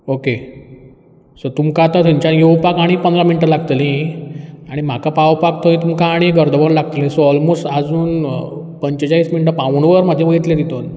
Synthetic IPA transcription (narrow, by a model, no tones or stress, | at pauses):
oke | səɾt̪umkãːt̪at̪ʰãɲt͡ɕanjowpakaɽ̃ipənd̪ɾaminʈəlaɡt̪əlĩ | aɽ̃im̤akapawpakt̪ʰoĩt̪umkãːɽ̃iɡəɾd̪əʋəɾlaɡ̚t̪əlẽsoɔlmost̪ad͡zuːn | pəɲt͡ɕəd͡ʑaiːsminiʈ̬əpãʋɳʋəɾməd̪ʱjẽʋəjt̪led̪it̪on